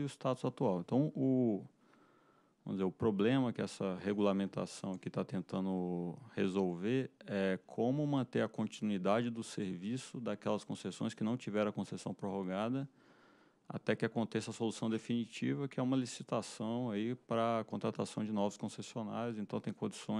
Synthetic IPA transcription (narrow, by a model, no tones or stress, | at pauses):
ɪʊst̪at̪ʊzat̪uawẽnt̪ɐ̃w̃ʊ | vɐ̃mʊd͡ʒɪzeɾʊpɾoblẽmɐkɪɛsɐheɡulamẽnt̪a̰sɐ̃w̃ɐkɪt̪at̪ẽnt̪ɐ̃nd̪ʊhezowveɾɛkʰõmʊmɐ̃nt̪eɾɐkõnt͡ʃinuid̪ad͡ʒɪd̪ʊseɾvisʊd̪akɛlɐskõsesõj̃skɪnɐ̃w̃t͡ʃivɛɾ̃ɐkõsesɐ̃w̃pɾoɦoɡad̪ɐ | a̰t̪ɛkɪakõnt̪esɐsolusɐ̃w̃d̪efinit͡ʃivɐkɪɛũmɐlisit̪asɐ̃w̃aipɾɐkõnt̪ɾat̪asɐ̃w̃d͡ʒɪnɔvʊskõsesiona̰ɾjʊzẽnt̪ɐ̃w̃t̪ẽj̃kõd͡ʒisõj̃